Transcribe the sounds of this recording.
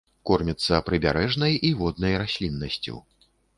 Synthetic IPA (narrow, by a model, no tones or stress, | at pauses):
kɔrmʲit̪sːɐpɾɨbʲaɾɛʐnɐjivɔd̪̚nɐjɾasʲlʲinːɐsʲt͡sʲṵ